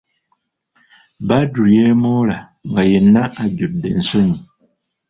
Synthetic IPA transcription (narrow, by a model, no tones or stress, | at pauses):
badujɛmɔla | ŋɡajɛnːaʔaɟut̚dɛ̰n̩soɲi